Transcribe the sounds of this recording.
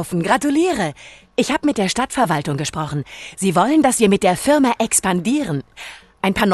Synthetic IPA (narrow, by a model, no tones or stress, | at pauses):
ʊfn̩ɡʁatuliːʁə | ʔɪçhaːbəmɪt̚d̥eːɐʃtatfɛɐvaltʊŋɡəʃpʁ̥ɔχn̩z̥iːvɔləndasv̥iːɐmɪt̚d̥eːɐfɪɐmaʔɛkspandiːʁən | ʔaɪnpʰaːɐn